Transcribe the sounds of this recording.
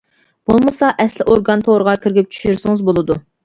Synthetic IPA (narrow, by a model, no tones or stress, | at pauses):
b̥olˠmɨsɑʔɛslɪʔoɾɡɑnt̪ʰoʁɾəʁɑkʲʰiɾɡʲip̚t͡ʃʰy̥ʃyɾsɨŋɨzbolˠɨd̪u